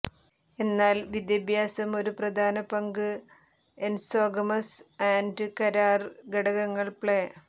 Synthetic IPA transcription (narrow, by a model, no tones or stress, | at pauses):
e̞nːaːlʋid̪jɐbʱjaːsɐmo̞ɾuprɐd̪ʱaːnɐpɐŋɡɨ | ensoːɡɐmɐsaːndɨkɐɾaːrɡɐɽɐɣɐŋːɐɭpɭeː